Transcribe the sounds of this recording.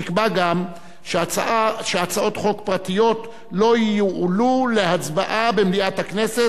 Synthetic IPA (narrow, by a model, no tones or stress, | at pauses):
ikbaɡam | ʃaaʃeat͡sao̞t̪χo̞kpʁatijo̞t | lo̞jijuʕulule̞hat͡sbaʔabe̞mliathakne̞se